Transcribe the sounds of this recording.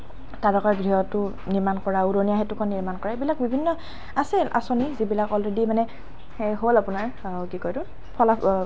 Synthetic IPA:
talɔkɔjɡɹiɦɔtʊ | niɹmankɔɹauɹonijaɦetukʰɔnːiɹmankɔɹabilak̚bibʱinːɔ | asilʔa̰sonizibilakɔlɹedimanɛ | xejɦolapunaɹ | kikojdʊ̃ | pʰɔla

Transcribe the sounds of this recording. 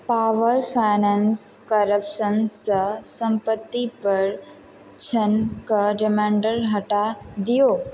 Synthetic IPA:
paʋəɾfʰajnãnskəɾəpʃənsəsə̃mpət̪ːipəɾ | t͡ʃʰənkəɖɪmãɳɖəɾɦəʈad̪ijo

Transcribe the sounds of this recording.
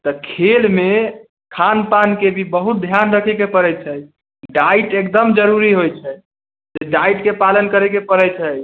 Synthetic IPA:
t̪əkʰelme | kʰanpankebʱibəɦut̪̚d̪ʱjanɾəkʰɛkepəɾɛt͡ʃʰɛj | ɖaiʈekd̪əmd͡ʒəɾuɾiɦojt͡ʃʰɛ | d͡ʒeɖaiʈkepalənkəɾɛkepəɾɛt͡ʃʰəj

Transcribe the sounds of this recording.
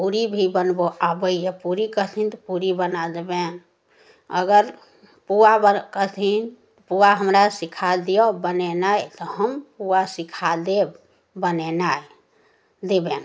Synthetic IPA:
puɾibʱibənboʔabəiepuɾikəɦt̪ʰint̪ɔpuɾibənad̪eben | ə̰ɡəɾ | puabəkəɦt̪ʰin | puaɦəmɾasikʰad̪iobənenajt̪ɔɦəmpuasikʰad̪e | bənenaj | d̪eben

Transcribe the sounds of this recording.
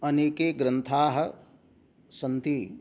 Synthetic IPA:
ɐneːkeːɡɾɐnt̪ʰaːɦɐ̆ | sɐnt̪i

